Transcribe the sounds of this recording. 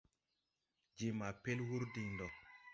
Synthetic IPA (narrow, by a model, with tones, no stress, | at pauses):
d͡ʒi˨ma˨pe˦lwu˦ɾdi˨ndɔ˨